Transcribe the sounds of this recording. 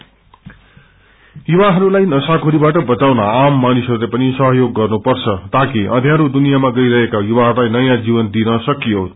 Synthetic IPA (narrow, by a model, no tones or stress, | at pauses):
jubaɦʌɾulajnʌsakʰoɾibaʈʌbʌt̪awnaamːanisʌɾulepʌnisʌɦʌjoɡːʌrnupʌrt͡sʰʌt̪akiʔʌd̪ʱjãɾud̪unijamaɡʌjɾʌɦekajubaɦʌɾulajnʌjãd͡zibʌnd̪inʌsʌkijo